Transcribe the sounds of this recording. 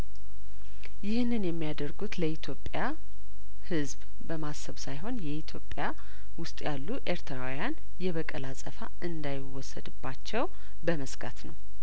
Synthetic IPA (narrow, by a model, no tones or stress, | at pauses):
jɪhɨnːɨnjɛmːijad̪əɾɡut̪ləit̪ʰjo̞pʼːja | hɨzb | bəmasəβsajɦo̞njɛʔit̪ʰjo̞pʼːja | wʊst̪ʼjalːuʔe̞ɾt̪ʰɾawjan | jɛβəkʼəlasʼəfa | ɨnd̪ajɪwːɔsːə̰d̪ɨbːat͡ʃːɛw | bəməsɡa̰t̪nəw